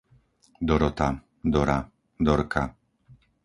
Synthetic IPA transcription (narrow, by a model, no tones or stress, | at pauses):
d̪ɔɾɔt̪a | d̪ɔɾa | d̪ɔɾkʰa̰